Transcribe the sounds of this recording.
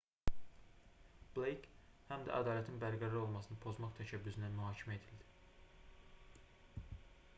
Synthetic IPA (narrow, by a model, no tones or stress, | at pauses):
b̥lejkhæmd̪æ̰ʔæ̰d̪ɑːlæt̪ʰinbæɾɡæɾɑɾo̞lˠmɑsɯnɯpʰo̞zmɑχt̪ʰæʃæbːyzind̪ænmyɦɑːcʰimæed̪ʰild̪i̥